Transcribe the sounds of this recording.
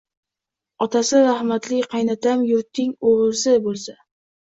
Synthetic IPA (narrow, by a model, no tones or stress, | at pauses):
ɒt̪ʰasɪɾahmat̪lɪkqʰɑjnat̪ʰamjʊɾt̪ʰːɪŋoʁɨɾsɪbolˠsa